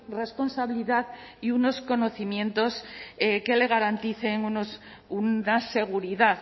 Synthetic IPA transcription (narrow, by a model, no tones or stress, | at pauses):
re̞spo̞nsaβiliðaðiuno̞sko̞no̞θimjẽ̞nt̪o̞seke̞le̞ɣ̞aɾant̪iθe̞ŋunos | uase̞ɣ̞uɾiðaθ